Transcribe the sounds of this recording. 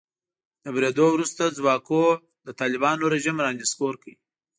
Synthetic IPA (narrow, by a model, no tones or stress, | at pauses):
d̪̥əbɾed̪owɾust̪ad͡zwɑko | d̪ət̪ɑlɪbɑnoɾeʒimɾɑnd̪eskoɾkəi